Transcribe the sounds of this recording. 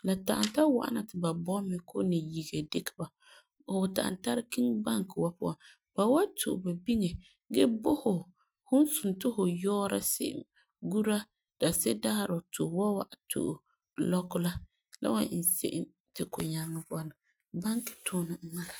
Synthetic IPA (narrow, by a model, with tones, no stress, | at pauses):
la˨ta˨ʔa˨nta˦wa̰˨ʔa̰˦na˨tɪ˨ba˨bɔ˦mɪ˨kʰo˦nɪ˨ji˨ɡe˨de˦kɪ̥˦ba˨ | hʊ˨ta̰˨ʔa̰˨nta˦ɾki˦ŋba˦ŋkɪ˨wa˦pʊ˦a˨n | b̥a˨wa˦tʰʊ̰˨ʔba˨bi˦ŋe˨ | ɡɛ˦bo˦hʊ˨ | hʊ˦n˦sʊ˨ntʊ˦hʊ˨jɔː˦ɾa̰˦sɪ̰˦ʔ | ɡu˦ɾa˦ | d̥a˨sɛ˦daː˦˨ɾʊ˨to˨wa˦wa˨ʔtʰo̰˨ʔ | lɔ˦kʊ˦la˦ | la̰˦wa̰˨˦˨n̩˨sḛ˦ʔɪ˦n | tɪ˨kʊ˨ɲa˦nːɪ˦pʊ˦a˦na˨ | ba˦ŋkɪ̥˨tʰʊː˦˨nɪ˨˦ma˦ɾa˨